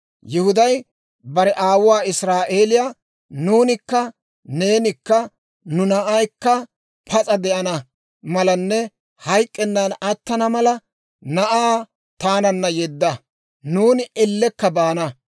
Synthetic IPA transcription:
jɪhʊd̪ɐj | bɐɾɛʔaːwʊwaːɪsɾaːʔe̞ːlɪjaː | nuːnɪkːɐ | ne̞ːnɪkːɐ | nʊnɐʔɐjkːɐ | pʰɐt͡sʼɐd̪ɛʔɐnɐ | mɐlɐnːɛ | hɐjkʼːɛnːanɐt̪ːɐnɐmɐlɐ | nɐʔaː | t̪aːnɐnːɐjɛd̪ːɐ | nuːnɪɛlːɛkːɐbaːnɐ

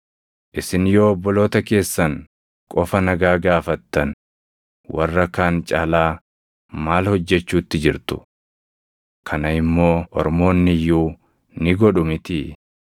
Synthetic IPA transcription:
ʔɪsɪnjoːɔbːɔlo̞ːt̪ɐke̞ːsːɐŋ | kʼɔfɐnɐɡaːɡaːfɐt̪ːɐn | wʔɐrːɐkaːnt͡ʃʼaːlaː | maːlhɔd͡ʒːɛt͡ʃːuːt̪ːɪd͡ʒɪɾt̪ʊ̥̰ | kʰɐnɐɪmːo̞ːʔɔ̰ɾmo̞ːnːɪjuː | nɪɡɔᶑʊmɪt̪ɪ

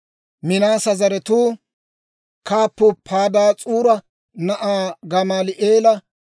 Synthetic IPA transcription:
mɪnaːsɐzɐɾɛt̪uː | kaːpːʊpʰaːd̪aːt͡sʼuːɾɐ | nɐʔaːɡɐmaːlɪʔeːlɐ

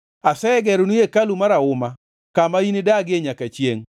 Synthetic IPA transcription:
asɛɡɛɾunujekalumaɾaʊma | kamainɪdaɡɪeɲakat͡ʃjeŋ

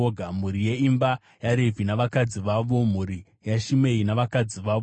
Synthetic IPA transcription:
oɡʱam̤uɾije̞imba | jaɾevʱinaʋakad͡ziʋaʋo̞m̤uɾi | jaʃime̞inaʋakad͡ziʋa

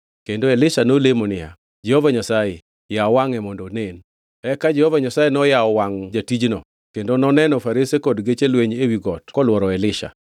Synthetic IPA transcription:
kendoelɪʃanolemonɪja̰ | d͡ʒehovaɲasaje | jawaŋɛmɔndonen | ɛkad͡ʒɛhovaɲasajenɔjaɔwaŋd͡ʒatid͡ʒnɔ̰ | kendonɔnɛnɔfaɾesekɔdɡet͡ʃelweɲewiɡɔtkɔlwɔɾɔelɪʃa̰

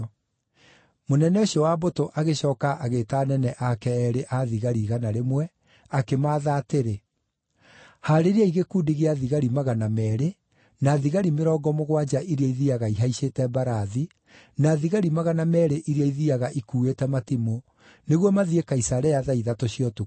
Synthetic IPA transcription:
monɛnɛoɕiɔwabotoʔaɣeɕɔːkaʔaɣetaːnɛnɛʔakɛɛɾeʔaðiɣaɾiɣanaɾemwɛ | akemaːðaːteɾe | haɾeɾaiɣekuːdiɣeaðiɣaɾimaɣanamɛːɾe | naðiɣaɾimeɾɔːɡɔmoɣwad͡ʒaʔiɾiaiðiaɣaiɦaiɕeːtɛbaɾaði | naːðiɣaɾimaɣanamɛɾeʔiɾiaiðiaɣaʔikuːetɛmatimo | neɣwɔmaðiekaisaɾɛjaðaiðatoɕijɔtu

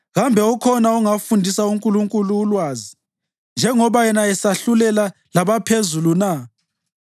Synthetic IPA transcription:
ɣambʱɛukʰɔnauŋafundʱisauŋkʼuluŋkʼuluːlwaːzi | nd͡ʒʱɛŋɔβajɛnaɛsaɬulɛla | laβapʰezuluna

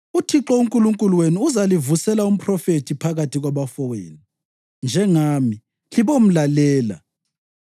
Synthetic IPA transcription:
utʰiǁɔuŋkʼuluŋkʼulweniːzalivusɛlaum̩pʰrɔfetʰipʰaɣatʰiɣwaβafɔwḛːni | nd͡ʒʱɛŋaːmi | liβom̩lalɛːla̰

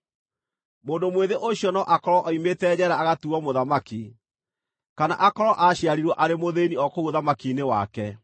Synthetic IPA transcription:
moːndomweðeʔoɕjɔnɔʔakɔɾɔʔɔimetɛːd͡ʑɛɾaːɣatuɔmoðamaki | kanaʔakɔɾɔʔaʃjaɾiɾwɔʔaɾemoðeniɔkouoðamakinewa̰kɛ

